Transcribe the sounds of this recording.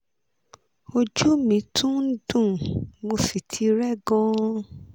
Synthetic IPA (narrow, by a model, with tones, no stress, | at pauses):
o˧d͡ʒu˦mĩ˨˦tʰũ˦n̩˦dũ˦˨mo˧fi˨tʰi˧˦ɾɛ˦˨ɡɔ̃˦